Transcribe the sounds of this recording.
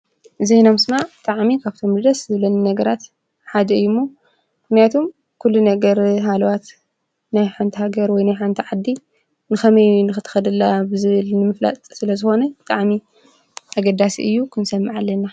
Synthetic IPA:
zejnamɨsmaʕbɨt̪ʼaʕmikʰaβt̪ʰo̞md̪ɨd̪ɐszɨβlɐnɨnɐɡɐɾat̪ | ħad̪ɐɨjːumːo | mmɨxnijat̪ʰo̞m | kʰulːunɐɡɐɾɦalɐwat̪ | najħant̪ʰihaɡɐɾwɔjnajħant̪ʰiʕad̪ːi | nɨxɐmɐjnɨxɨt̪ʰɨ̥xɐd̪ɐlːabɨzɨβɨlnɨmɨfla̰t̪ʼsɨlɐzɨxo̞nɐbɨt̪ʼaʕmi | ʔaɡɐd̪asḭʔɨjːukʰɨnsɐmːaʕalːɐnːa

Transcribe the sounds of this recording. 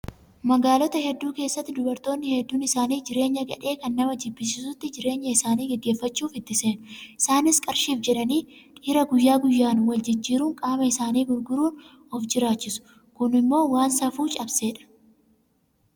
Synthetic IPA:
mɐɡaːlɔt̪ɐhɛd̪ːuːke̞ːsːɐt̪ːɪd̪ʊbɐɾt̪o̞ːnːɪhɛd̪ːuːnɪsaːniːd͡ʒɪɾe̞ːɲːɐɡɐ̰ᶑe̞ːkɐnːɐmɐd͡ʒɪbːɪs̬ɪsʊt̪ːɪd͡ʒɪɾe̞ːɲːɐɪsaːniːɡɛɡːeːfːɐt͡ʃːuːfɪt̪ːɪseːnʊɪsaːnɪskʼɐɾʃiːfd͡ʒɛᶑɐniːᶑʼiːɾɐɡʊjːaːɡʊjːaːnwɐld͡ʒɪd͡ʒːiːɾuːŋkʼaːmɐɪsaːniːɡʊɾɡʊɾuːn | ɔfd͡ʒɪɾaːt͡ʃːɪsʊ̥ | kʊnɪmːo̞ːwaːnsɐfuːt͡ʃʼɐbseːᶑɐ̥

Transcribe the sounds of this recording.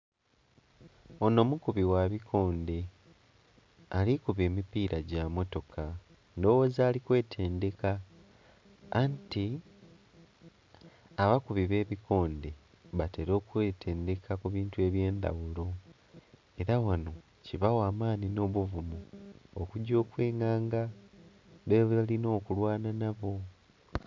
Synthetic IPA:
o̞no̞ːmukuβiwaβikʰo̞ːnde̞ | alikuβe̞ːmipiːɾaɟamo̞to̞kʰa | ndo̞wo̞ːzaːlikwe̞ːtʰe̞ːnde̞ka | nti | aβakuβiβe̞ːβikʰo̞ːnde̞ | βate̞ɾo̞ːkweːtʰe̞ːnde̞kʰakuβiːntue̞βje̞ːnd̪a̰wulo̞ | e̞ɾawano̞ | ciβawaːmaːnino̞ːβuvumuokuɟo̞ːkwe̞ːŋaːŋɡa | βeβalino̞ːkulwaːnanaβo̞

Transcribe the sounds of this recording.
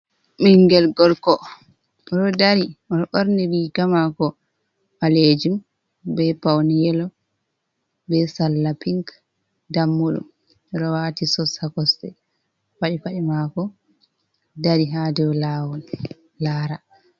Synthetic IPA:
miŋɡɛlɡɔlkɔ | ɾɔdaɾiɔnɔʔoɾniɾiːɡamakɔ | ʔaled͡ʒum | bɛpawnijɛlɔ | bɛsalːapiŋk | damːuɗṵm | ɾɔwatisɔsakɔstɛ̰ | faɗifaɗimakɔ | daɾiɦadɛwɔlawɔn | laːɾa

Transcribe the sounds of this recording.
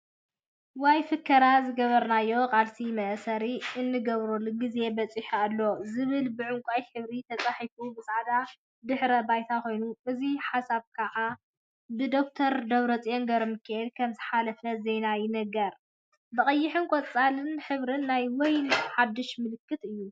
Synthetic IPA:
wajfɨkʰːɐɾazɨɡɐβɐɾnajːo̞kʼalsʰimɐʔsɐɾiɨnːɨɡɐβɾolɡize̞bɐt͡sʼiħalːo̞zɨβɨlbɨʕʊŋkʷʼajħɨβɾit̪ʰɐt͡sʼaħifubɨsaʕd̪a | d̪ɨħɾɐbajt̪ʰako̞jnuʔɨziħasaβkʰɐʕa | bɨd̪o̞k̚t̪ʰɐɾd̪ɐβɾɐt͡sʼijoŋɡɐɾmɨkʰːɐɛd̪kʰɐmzɨħalɐfɐzenajɪnɐɡɐɾ | bɨχʼɐjːɪħɨnkʷʼɔt͡sʼalɨnħɨβɾɨnːajwɔjħad̪ːɨʃmɨlɨkʰːɨt̪ɨjːu

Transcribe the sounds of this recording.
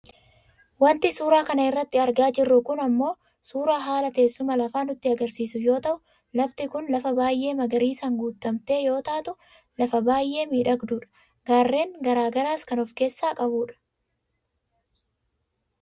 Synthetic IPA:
wɐnt̪ɪsuːɾaːkɐnɐɪrːɐt̪ːɪɐɾɡaːd͡ʒɪrːʊkʊnɐmːo̞ː | suːɾaːɦaːlɐt̪e̞ːsːʊmɐlɐfaːnʊt̪ːɪɐɡɐɾsiːsʊjo̞ːt̪ɐʔʊ | lɐft̪ɪkʊnlɐfɐbaːjʔe̞ːmɐɡɐɾiːsɐŋɡuːt̪ːɐmt̪e̞ːjo̞ːt̪aːt̪ʊ | lɐfɐbaːjʔe̞ːmiːᶑɐɡd̪uːᶑɐ̥ | ɡaːrːe̞ːŋɡɐɾaːɡɐɾaːskɐnɔfke̞ːsːaːkʼɐbuːᶑɐ̥

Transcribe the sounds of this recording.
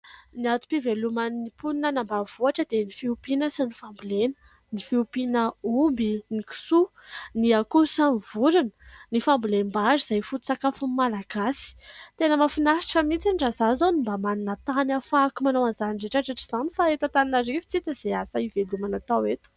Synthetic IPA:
niat̪u̥pivelumanipuninənambav̥uaʈ͡ʂəd̪enifiupinəsinifambilenə̥ | nifiupinəumbiniki̥su | niakusanvuɾunə̥nifambulembaʐiz̥ajfut̪u̥sakafunmalaɡasi̥t̪enəmafinaʃi̥ʈ͡ʂəmit͡sinɖ͡ʐazazonimbamaninət̪anafakumanowanzaniɖ͡ʐeʈ͡ʂaʈ͡ʂaʈ͡ʂiz̥anifaet̪at̪aninaɾifi̥t͡sit̪əz̥easaivelumanat̪awet̪u̥

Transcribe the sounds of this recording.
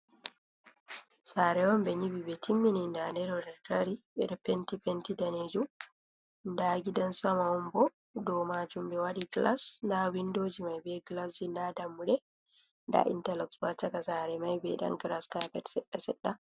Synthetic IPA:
saɾɛwɔmbɛɲibibɛtʰimːinindanɛɾɔɾɛtaɾibɛ̰ɗɔpɛntipɛntidaned͡ʒu | ndaɡidansamaɔmbɔ | dɔmad͡ʒumbɛwaɗiɡla̰sndawindoːd͡ʒimajbɛɡlasd͡ʒindadamːuɗɛ | nda̰ʔḭntɛlɔksbatakasaɾɛmajbɛ̰ɗa̰ŋɡɾaskapɛtsɛɗːasɛ̰ɗːa

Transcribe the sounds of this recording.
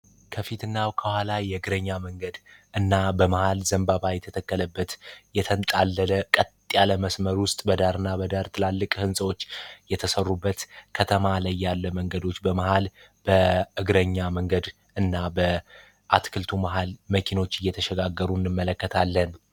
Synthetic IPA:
kʰəfit̪ɨnːawkʰəhʷalajɛɨɡɾəɲːaməŋɡəd̪ʔɨnːabəməhalzəmbaβajɛt̪ʰət̪ʰəkːələbːət̪jɛt̪ʰənt̪ʼalːələkʼət̪ʼːjaləməsməɾwʊst̪ʼbəd̪aɾɨnːabəd̪aɾt̪ʰɨlalːɨkʼhɨnsʼəwo̞t͡ʃːjɛt̪ʰəsərːubːət̪kʰət̪ʰəmalajːalːəməŋɡəd̪o̞t͡ʃːbəməhal | b̥əɨɡɾəɲːaməŋɡəd̪ | ɨnːabə | ʔat̪kʰɨlt̪ʰumaɦalməkʰino̞t͡ʃːɨjːɛt̪ʰəʃɛɡaɡːəɾunːɨmːələkːət̪ʰalːən

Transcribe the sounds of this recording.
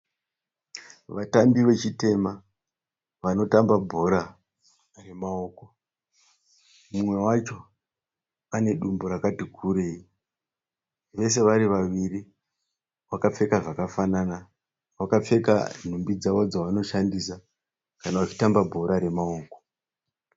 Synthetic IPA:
ʋatambiʋe̞t͡ʃite̞ma | ʋano̞tambabʱo̞ɾa | re̞mao̞ːko̞ | mumwe̞wat͡ʃo̞ | ane̞ɗumboɾakatikʰuɾe̞ːi | ʋe̞s̬e̞ʋaɾiʋaʋiri | wakap͡fe̞kaʐakafanana | wakap͡fe̞ka̰n̤umbid͡zaʋo̞d͡zaʋano̞ʃandisa | kanaʋat͡ʃi̥tambabʱo̞ɾaɾe̞mao̞ːko̞

